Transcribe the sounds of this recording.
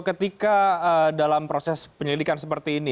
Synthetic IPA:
kət̪ikaədalampɾosɛspəɲəlidikansəpərt̪iːni

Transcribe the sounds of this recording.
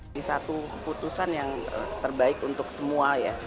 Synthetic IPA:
isat̪ukəput̪usanjaŋə̰t̪ərbaɪkunt̪ʊksəmuaja

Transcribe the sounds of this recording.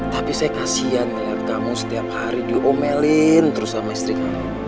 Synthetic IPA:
t̪apisajakasian | kamusə̥t̪iap̚haɾidiʔomɛlɪnt̪əɾʊsamaist̪ɾikamu

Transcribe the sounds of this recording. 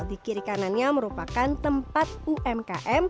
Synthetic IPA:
d̪ikiɾikananɲaməɾupakant̪əmpat̪̚uʔɛmka̰ʔɛm

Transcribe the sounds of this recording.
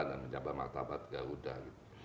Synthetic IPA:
danməɲd͡ʒabama̰r̚t̪abat̪̚ɡaɾudahɡit̪u̥

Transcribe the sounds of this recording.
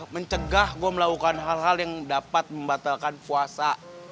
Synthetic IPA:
məɲt͡ʃəɡahɡuaməlakukanɦalɦaljaŋdapat̪̚məmbat̪alkanpuasa

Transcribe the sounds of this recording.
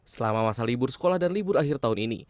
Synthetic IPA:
səlamamasalibʊrsə̥kolahdanlibʊraɦɪrt̪aɦʊninḭ

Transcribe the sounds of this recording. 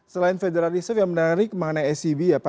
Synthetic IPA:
səlaɪnfedeɾalisəfjaŋmənaɾɪk̚maŋnaɛsibijapa

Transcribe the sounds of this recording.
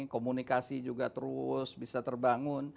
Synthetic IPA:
komunikasid͡ʒuɡat̪əɾʊsbisat̪ərbaŋʊn

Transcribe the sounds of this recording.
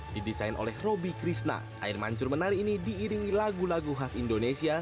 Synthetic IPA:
d̥idisajnʔo̰lɛhrobikɾisna̰ | ʔa̰ɪrma̰ɲt͡ʃʊrmənaɾiːnidiːɾiŋilaɡulaɡuɦasindonesia

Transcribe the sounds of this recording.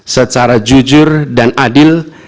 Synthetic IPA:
sət͡ʃaɾad͡ʒud͡ʒʊrdanʔadɪl

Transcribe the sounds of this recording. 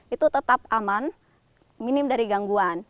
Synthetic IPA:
ʔit̪ut̪ət̪ap̚aman | minɪmdaɾiɡaŋɡuan

